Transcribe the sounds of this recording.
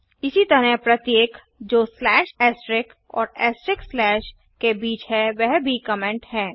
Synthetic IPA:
ɪsit̪ɐɾɛɦpɾɐt̪jeːk | d͡ʒoːslɛːʃɛːsʈɾɪk | ɔ̰ːɾɛːsʈɾɪkslɛːʃ | kebiːt͡ʃɦɛʋɛɦbʱikəmẽɳʈhɛ̃ː

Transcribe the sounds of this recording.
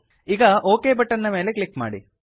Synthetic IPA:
iɡɐʔoːkeːbɐʈːɐnːɐme̞ːle̞klikma̰ːɽḭ

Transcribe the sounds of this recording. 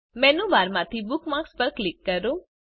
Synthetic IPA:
mɛ̃ːnũbaːɾmãt̪ʰibʊkmakspəɾklɪkːəɾoː

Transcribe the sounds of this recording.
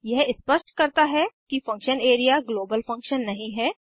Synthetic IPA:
jɛɦɪspəʃʈkɐɾt̪aɦɛkifɐ̃ŋkʃəneːɾijaɡloːbəlfɐ̃ŋkʃənːɐɦĩɦɛː

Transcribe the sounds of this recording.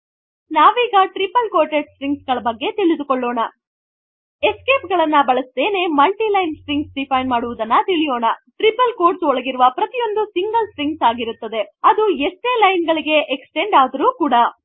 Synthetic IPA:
naːʋiːɡɐʈɾipɐlkoːʈeʈsɾiŋɡsɡɐɭɐbɐɡːe̞t̪iɭid̪ukoɭːoːɳɐ | eske̞ːpɡɐɭɐnːɐbɐɭɐsd̪e̞ːne̞mɐlʈilɐjnsɾiŋɡsɖipʰɐjnmaːɽuʋud̪ɐnːɐt̪iɭijoːɳɐʈɾipɐlkoːɾʈsɔɭɐɡiɾuʋɐpɾɐt̪ijo̞nd̪usiŋɡɐlsɾiŋɡsaːɡiɾut̪ːɐd̪e̞ɐd̪ueʂʈeːlɐjnɡɐɭiɡe̞ʔeksʈe̞ɳɖaːd̪ɐɾuːkuːɽɐ

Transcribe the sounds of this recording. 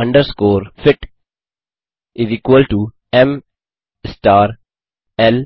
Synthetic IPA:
ʌ̃ɳɖəɾskoːɾfɪʈ | ɪziːkʋəlɖʈu | ẽm | sʈaːɾ | el

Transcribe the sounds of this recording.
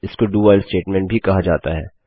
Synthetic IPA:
ɪskoɖuːaːlsʈeːʈmɛ̃ɳʈ̚bʱikɐɦad͡ʒaːt̪aɦɛː

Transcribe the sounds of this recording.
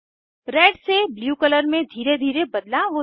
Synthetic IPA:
ɾeːɖsebljuːkələɾmẽd̪ʱiːɾed̪ʱiːɾebɐd̪laʋo

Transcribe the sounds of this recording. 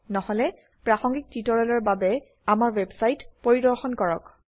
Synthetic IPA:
nɔhɔlɛ | pɹaxɔŋɡik̚titɔɹalɔɹbabɛ | amaɹwebsajtpoɹidɔɹxɔnkɔɹɔk

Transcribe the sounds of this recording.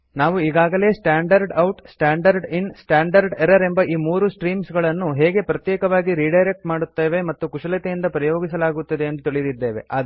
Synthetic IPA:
naːʋuiːɡaːɡɐle̞ːsʈaːɳɖɐɾɖɐwʈsʈaːɳɖɐɾɖinsʈaːɳɖɐɾɖeɾɐɾe̞mbɐʔiːmuːɾusʈɾiːmsɡɐɭɐnːuɦeːɡe̞pɾɐt̪jɛːkɐʋaːɡiɾiːɖɐjɾek̚ʈmaːɽut̪ːeːʋe̞mɐt̪ːukuʂɐlɐt̪ejind̪ɐpɾɐjoːɡisɐlaːɡut̪ːɐd̪eɐnd̪ut̪iɭid̪id̪ːe̞ːʋe̞ʔa̰ːd̪

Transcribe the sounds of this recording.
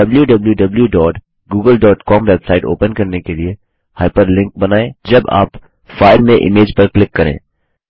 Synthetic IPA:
ɐbljuɖɐbljuɖɐbljuɖɔːʈ | ɡuːɡəlɖɔːʈkɔːmʋɛbsaːɪʈo̰ːpənkɐɾnekelie | haːɪpəɾlɪ̃ŋk̚bɐnaːẽd͡ʒɐba̰ːp | faːɪlmẽʔɪ̰meːd͡ʒpɐɾklɪkːɐɾḛ̃ː

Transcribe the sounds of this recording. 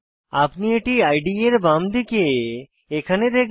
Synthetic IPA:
apnieʈiaɪɖieɾbamd̪ike | ekʰaned̪ek

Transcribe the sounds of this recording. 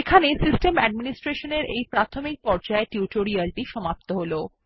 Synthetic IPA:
ekʰanesisʈemɛɖ̚minisʈɾeʃoneɾʔejpɾat̪ʰomik̚pɔɾd͡ʑaeʈjuʈoɾialʈiʃɔmap̚t̪oɦolo

